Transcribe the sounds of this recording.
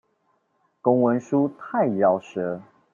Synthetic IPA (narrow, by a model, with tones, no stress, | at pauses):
ko˦ŋwə˧˦nʂu˦t̪ʰa˥˩ɪɻɑ˨˩ʊʂə˨˦